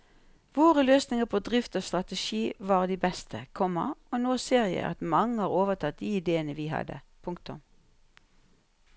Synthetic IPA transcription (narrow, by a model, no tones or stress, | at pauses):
ʋoːʁəløːsnɪŋəpʰoːd̪ʁɪft̪oːst̪ʁɑt̪əʃiːʋɑːʁd̪iːbɛst̪ʰəkʰɔmːə̰onoːseːʁɪjə̰ɑ̰t̪mɑŋːəhɑːʁoːʋət̪ʰɑt̪̚d̪iːɪd̪eːənəʋiːɦɑ̰d̪ə̰pʰʊŋk̚t̪ʊm